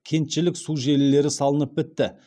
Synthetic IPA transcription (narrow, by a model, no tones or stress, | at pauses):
kʲʰe̞nt̪ʃɪlɪksuʒe̞lɪːe̞ɾɪsɑlˠənəp̚bɪt̪ːɪ